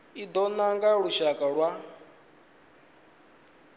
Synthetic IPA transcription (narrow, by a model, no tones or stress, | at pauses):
id̪ɔnaŋɡaɺuʃakʼaɺwa